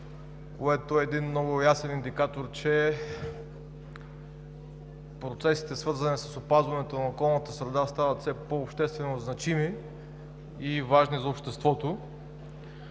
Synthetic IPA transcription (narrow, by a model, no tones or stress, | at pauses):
koɛt̪oɛːd̪inmnɔɡʊjasɛnind̪ikat̪oɾt͡ʃɛ | pɾot̪sɛsi̥t̪ɛsvɤɾzɐnisəsopazvɐnɛt̪onɐokɔlˠnət̪əsɾɛd̪ast̪avət̪sɛpoːpʃt̪ɛst̪vɛnoznɐt͡ʃimi | vaʒnizɐopʃt̪ɛst̪vɔt̪o